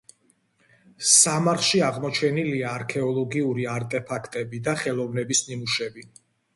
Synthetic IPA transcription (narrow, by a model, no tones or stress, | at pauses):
samaɾχʃiaʁmɔt͡ʃʰɛniliaːɾkʰɛɔlˠɔɡiuɾiaɾt̪ʼɛpʰakʰt̪ʼɛbid̪aχɛlˠɔvnɛbisninuʃɛbi